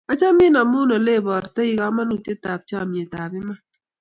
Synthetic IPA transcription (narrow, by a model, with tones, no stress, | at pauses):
a˦t͡ʃa˦mi˦na˨mʊ˦nɔ˨le˦˨bɔ˨ɾte˦i˨˦ka˨˦ma˦nu˨t͡ʃe˦ta˨b̚t͡ʃa˦˨mje˨ta˨bɪ˦ma˦